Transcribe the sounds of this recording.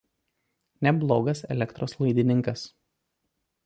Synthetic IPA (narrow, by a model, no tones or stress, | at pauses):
nʲɛblˠoːɡɐsɛ̰lʲɛkt̪ɾoːslˠɐɪd̪ʲɪnʲɪŋkɐs